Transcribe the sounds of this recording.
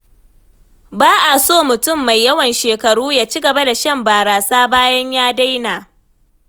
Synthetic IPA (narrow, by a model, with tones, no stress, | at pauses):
baː˦ʔa˨soː˦˨mʊ˨tʊ˦˨mːa˨jːɐ˦wɐ˨nʃeː˨kɐ˨ɽuː˦jaː˦t͡ʃi˦ɡɐ˨ba˦da˨ʃɐ˦mbaː˨ɾaː˨saː˦baː˦jɐ˦ɲjaː˦da˦jnaː˨